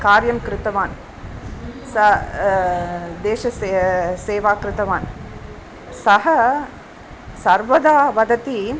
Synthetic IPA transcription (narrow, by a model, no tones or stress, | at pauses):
kaːɾjɐmkɾɪt̪ɐʋaːn | sɐ | d̪eːʃɐseseːʋaːkɾɪt̪ɐʋaːn | sɐɦɐ | sɐɾʋɐd̪aːʋɐd̪ɐt̪i